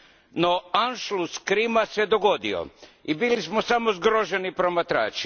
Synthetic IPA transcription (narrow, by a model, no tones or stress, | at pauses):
noanʃluskɾimased̪oɡo̞d̪io̰ibilismo̞samozɡɾoʒe̞nipɾomat̪ɾa̰ːt͡ʃi̥